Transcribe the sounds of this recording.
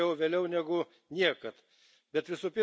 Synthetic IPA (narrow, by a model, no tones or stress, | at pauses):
ɛʊʋʲeːlʲɛʊnʲæːɡʊ | nʲiɛkɐt̪ | bʲɛt̪ʋʲɪsuːpʲɪ